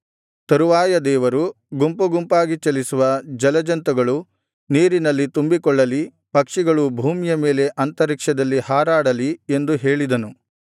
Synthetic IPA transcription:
t̪ɐɾuʋaːjɐd̪ɛːʋɐɾu | ɡumpuɡumpaːɡit͡ʃɐlisuʋɐd͡ʒɐlɐd͡ʒɐnt̪ɐɡɐɭu | niːɾinɐlːit̪umbikɔɭːɐli | pɐkʂiɡɐɭubʱuːmijɐme̞ːle̞ʔɐnt̪ɐɾikʂɐd̪ɐlːihaːɾaːɽɐlie̞nd̪uɦe̞ːɭid̪ɐnu

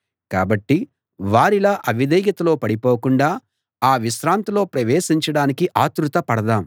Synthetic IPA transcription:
kaːbɐʈːi | ʋaːɾilaːʔɐʋid̪ɛːɡɐt̪ɐlo̞ːpɐɽipoːkuɳɖaː | aːʋiʃɾaːnt̪ɐlo̞ːpɾɐʋeːʃiɲt͡ʃɐɽaːnikiʔaːt̪ɾut̪ɐpɐɽɐd̪aːm

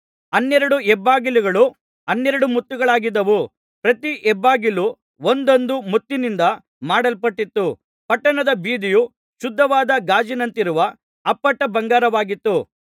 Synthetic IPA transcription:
ɐnːɛɾɐɽuɛbːaːɡiluɡɐɭu | ɐnːɛɾɐɽumut̪ːuɡɐɭaːɡid̪ɐʋu | pɾɐt̪iʔɛbːaːɡilu | ond̪ond̪umut̪ːinind̪ɐ | maːɽɐlpɐʈːit̪ːu | pɐʈːɐnɐd̪ɐbiːd̪iju | ʃud̪ʱːɐʋaːd̪ɐɡaːd͡ʒinɐnt̪iɾuʋɐː | pːɐʈːɐbɐŋɡaːɾɐʋaːɡit̪ːu

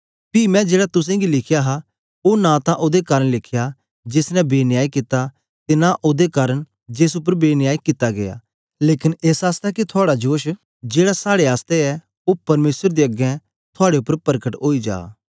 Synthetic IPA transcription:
pimɛ̃d͡ʒeːɽat̪ʊsɛ̃ɡilɪkʰɪjaɦa | oːnãt̪ãʔoːd̪ekaːɾəɳlɪkʰja | d͡ʒɪsnɛbeːnɪjaːikɪt̪a | t̪enaʔoːd̪ekaːɾəɳ | d͡ʒes̬ʊp̬ːəɾbeːnɪjaːikɪt̪aɡḛa̰ː | leːkɪneːsaːst̪akit̪ʰʊaːɽad͡ʒoːʃ | d͡ʒeːɽasaːɽeaːst̪eɛ | oːpɐɾmeːsəɾd̪eəɡɛ̃ | t̪ʰʊaːɽeʊpːəɾpɐɾkəʈɦoːid͡ʒa̰ː

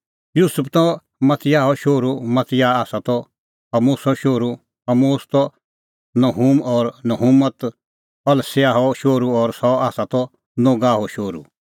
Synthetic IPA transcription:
juːsʊpʰt̪ɔ | mɐt̪ʰɪjaːɦɔʃoːɾumɐt̪ʰɪjaːaːsat̪ɔ | ɐmoːsɔʃoːɾu | ɐmoːst̪ɔ | nɐɦuːmɔːɾnɐɦumət̪ | pɐlseaːɦɔʃoːɾuɔːɾsɔaːsat̪ɔ | noːɡaːɦɔʃoːɾṵ

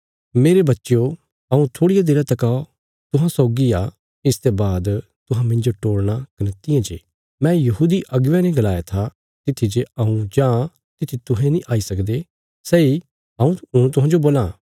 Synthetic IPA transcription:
meːɾebɐtːʃjo | ɐũt̪ʰoːɽijad̪ɪɾãt̪ɐkao | t̪ʊɦãsɔːɡiaː | ɪst̪ebaːd̪t̪ʊɦãmɪ̃nd͡ʒoʈoːɽɽ̃akɐnət̪ɪjãd͡ʒḛː | mɛ̃ːjɐɦuːd̪iʔɐɡʋãneɡɐlaːjat̪ʰa | t̪ɪt̪ʰːid͡ʒeɐũd͡ʒãː | t̪ɪt̪ʰit̪ʊɦɛ̃nĩʔaːisɐkd̪e | sɛːi | ɐũũt̪ʊɦãːd͡ʒoboːlãː

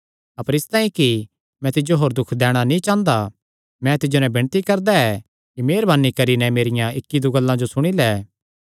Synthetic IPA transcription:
ɐpəɾɪst̪ãːĩki | mɛ̃t̪ɪd͡ʒoɦoːɾd̪ʊkʰd̪ɛːɽ̃anĩt͡ʃãːnd̪a | mɛ̃t̪ɪd͡ʒonɛbɪɽ̃t̪ikɐɾd̪aɛ | kimeːɾbaːnːikɐɾinɛ̃meːɾɪjãɪkːid̪uɡɐlːãd͡ʒosʊɽ̃ilɛː

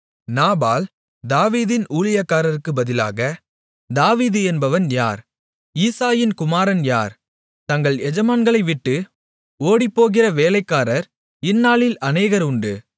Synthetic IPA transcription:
naːbaːl | d̪aːʋiːðɪnuːɭɪjakːaːɾɐɾɯkːɯbɐðɪla̰ːɣɐ | d̪aːʋiːðɯɛnbɐʋɐnja̰ːɾ | iːsaːjɪnkʊmaːɾɐnja̰ːɾ | t̪ɐŋɡɐɭɛd͡ʒɐmaːnɡɐɭɐɪʋɪʈːɯ | oːɽipːoːɣɪrɐʋeːlɐɪkːaːɾɐɾ | ɪnːaːɭɪlɐneːɣɐɾʊɳɖɯ

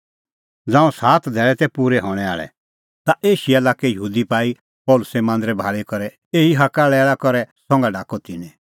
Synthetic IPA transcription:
d͡zãːũsaːt̪d̪ʱɛːɭɛt̪ɛpuːɾɛɦɔɽ̃ɛa̰ːɭɛ̰ | t̪aʔeːʃiɛlaːkɛjəɦuːd̪ipaːi | pɔːlʊsɛmãːnd̪ɾɛbʱaːɭikɔɾɛ | eːɦiɦakalɛːlakɔɾɛsɔ̃ŋɡaɖaːkot̪ɪnɛ̃

